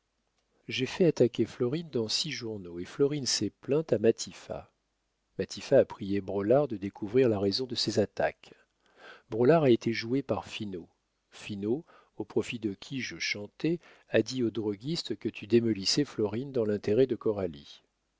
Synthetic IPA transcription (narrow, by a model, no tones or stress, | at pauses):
ʒefɛat̪akʲeflɔʁind̪ɑ̃siʒuʁnoeflɔʁinsɛplɛ̃t̪amat̪ʰifa̰ | mat̪ʰifaːpχijebʁɔlaʁd̪əd̪ekʰuvʁiʁlaʁezɔ̃d̪əsezat̪a̰k | bʁɔlaʁaet̪eʒuepaʁfino | fino | opχɔfid̪əkʲʰiʒəʃɑ̃t̪ɛ | ad̪iod̪ʁɔɡʲist̪kət̪ʰyd̪emɔlisɛflɔʁind̪ɑ̃lɛ̃t̪eʁɛd̪əkɔʁalḭ